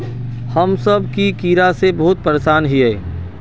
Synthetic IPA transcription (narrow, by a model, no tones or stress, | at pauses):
hɐmsɐbkikiːɾasebɐɦʊt̪̚pəɾeʃaːnɦiɛː